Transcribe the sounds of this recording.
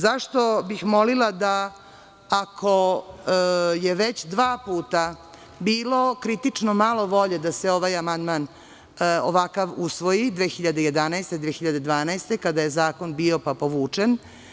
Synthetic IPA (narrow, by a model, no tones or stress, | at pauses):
zaʂt̪o̞bixmo̞lilˠad̪aː | kʰo | je̞ʋet͡ɕd̪ʋaːpuːt̪a | biːlo̞kɾit̪it͡ʂnomalˠo̞ʋo̞ʎe̞d̪aseo̞ʋajamand̪man | o̰ʋakaʋusʋo̞jid̪ʋeːxiʎad̪e̞jed̪anaest̪ed̪ʋeːxiʎad̪e̞d̪ʋaːnaest̪e̞kad̪aje̞zaːko̞nbio̞papo̞ʋuːt͡ʂen